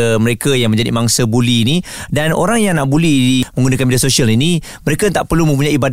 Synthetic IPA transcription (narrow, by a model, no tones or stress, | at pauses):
məɾekajaŋmə̃ɲd͡ʒadḭmaŋsəbuliːnidano̰ɾaŋjaŋnaʔbulɛhdimə̃ŋɡunakanmidasoʃialini | məɾekat̪aʔpərlumə̃mp̬uɲaiibad